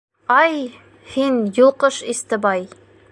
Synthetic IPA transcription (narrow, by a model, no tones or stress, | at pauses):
ɑj | hinjulˠqɤʃist̪ɘbɑj